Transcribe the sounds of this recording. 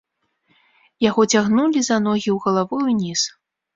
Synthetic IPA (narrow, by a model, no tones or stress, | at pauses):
jaɣɔt͡sʲaɣnulʲizanɔɣʲiwɣɐlˠavɨjunʲis